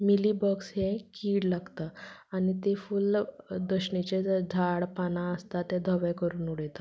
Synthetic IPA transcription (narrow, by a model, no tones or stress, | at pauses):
miliːbɔksɦẽkiːɽlaɡt̪aañit̪efuːld̪əɕɳit͡ɕed͡zʱaɽpanaəst̪at̪ɛ̃d̪ʱəʋɛkəɾuːnuɽet̪ḁ